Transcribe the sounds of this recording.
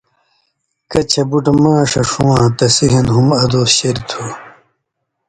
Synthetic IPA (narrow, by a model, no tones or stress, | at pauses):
kɐt͡ɕʰɐbuʈɐmãːʂɐʂuwãːt̪ɐsiɦɐnɦumɐd̪oːsɕeɾit̪ʰoː